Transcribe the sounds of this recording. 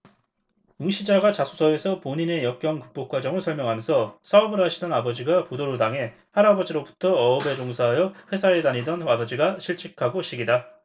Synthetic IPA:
juŋɕʰid͡ʑaɡat͡ɕasʰu̥sʰʌesʰʌpoɲine̞jʌk̚k͈jʌŋkɯ̥k̚p͈ok͈wad͡ʑʌŋɯɭsʰʌɭmjʌŋɦamjʌnsʰʌsʰaubɯɾɦaɕʰidʌnabʌd͡ʑiɡapudoɾudaŋe̞ | haɾabʌd͡ʑiɾobu̥tʰʌʌːbe̞d͡ʑoŋsʰaɦajʌɸwe̞sʰaɾedaɲidʌnwabʌd͡ʑiɡaɕʰiɭt͡ɕʰikʰaɡoɕʰiɡida

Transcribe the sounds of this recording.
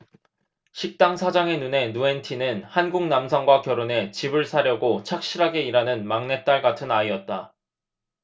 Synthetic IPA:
ɕʰik̚t͈aŋsʰad͡ʑaŋe̞nune̞nue̞ntʰinɯnhanɡuŋnamsʰʌŋɡwakjʌɾone̞t͡ɕibɯɭsʰaɾjʌɡot͡ɕʰak̚ɕ͈iɾɦaɡe̞iɾanɯnmaŋne̞t͈aɭɡatʰɯnaiʌt̚t͈a

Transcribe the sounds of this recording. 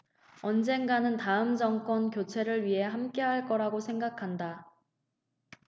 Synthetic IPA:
ʌnd͡ʑe̞nɡanɯntaɯmd͡ʑʌŋk͈wʌnkjot͡ɕʰe̞ɾɯɭɥiɦe̞ɦamk͈e̞ɦaɭk͈ʌɾaɡosʰe̞ŋɡakʰanda

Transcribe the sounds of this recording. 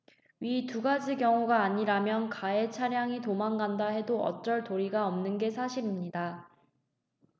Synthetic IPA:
ɥituɡad͡ʑikjʌŋuɡaːɲiɾamjʌnkae̞t͡ɕʰaɾjaŋitomaŋɡandaɦe̞doʌ̰t͡ɕ͈ʌɭtoɾiɡaʌmnɯnɡe̞sʰaɕʰiɾimɲida

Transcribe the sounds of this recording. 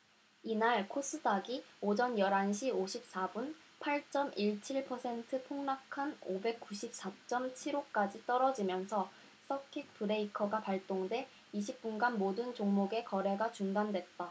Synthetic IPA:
inaɭkʰos͈ʰɯdaɡiod͡ʑʌnjʌɾanɕʰioɕʰip̚s͈abunpʰaɭt͡ɕ͈ʌmiɭt͡ɕʰiɭpʰʌsʰe̞ntʰɯpʰoŋnakʰanobe̞k̚k͈uɕʰip̚s͈at͡ɕ͈ʌmt͡ɕʰiɾok͈ad͡ʑit͈ʌɾʌd͡ʑimjʌnsʰʌ | s͈ʰʌkʰik̚pɯɾe̞ikʰʌɡapaɭt͈oŋde̞ | iɕ̬ʰip̚p͈unɡanmodɯnt͡ɕoŋmoɡe̞kʌɾe̞ɡat͡ɕuŋdandwe̞t̚t͈a

